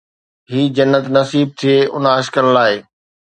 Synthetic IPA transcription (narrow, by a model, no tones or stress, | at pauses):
ɦiːd͡ʑɐnːət̪nɐsiːb̚t̪ʰijeʔʊnəːʃkəɾlaːeː